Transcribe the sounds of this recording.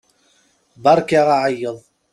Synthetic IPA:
bɑɾˤkaʁaʕəjːəðˤ

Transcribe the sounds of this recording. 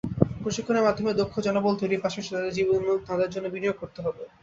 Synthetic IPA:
pɾoʃikʰːoneɾmad̪ʱːomeɾd̪okʰːod͡ʑɔnobolt̪ojɾipɾaʃoʃot̪ad̪eɾd͡ʑibonot̪ad̪eɾd͡ʑonːobinijoɡ̚koɾt̪eɦɔbe

